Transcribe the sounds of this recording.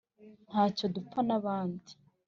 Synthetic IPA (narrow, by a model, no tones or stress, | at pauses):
n̥haːco̞dup͡fanaβaːndi̥